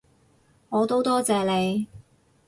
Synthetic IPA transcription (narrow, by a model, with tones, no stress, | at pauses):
ŋɔː˨˧t̪o˥wt̪ɔː˥t͡sɛː˨˧le˨˧j